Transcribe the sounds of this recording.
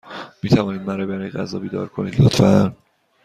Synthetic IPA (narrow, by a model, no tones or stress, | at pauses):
miːt̪ʰævɒːniːd̪mæɾɒːbæɾɒjeɡæzɒ̰ːbiːd̪ɒ̰ːɾkʰonḭːd̪lot̪fæn